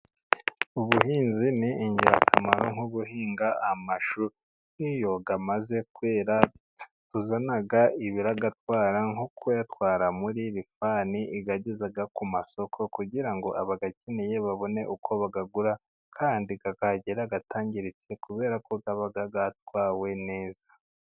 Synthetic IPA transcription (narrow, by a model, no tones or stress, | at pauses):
uβuɦiːnziniʔiɲɟiɾa̰kʰamaɾo̞ŋhuβuɦiːŋɡaamaʃu | nijo̞ɡamaze̞kwe̞ːɾa | tuzanaɡaiβiɾaɡatwaːɾaŋhukʰojatwaːɾamuɾiɾifaːniʔiɡaɟezaɡakumaso̞kʰo̞kuɟiɾaŋɡo̞ʔaβaɡaceneje̞βaβo̞ne̞ʔukʰo̞βaɡaɡuɾa | kʰaːndiɡaɡaɟeɾaɡatʰaːɲɟiɾit͡se̞kuβe̞ːɾako̞ɡaβaɡaɡat̚waːwe̞ne̞ːzḁ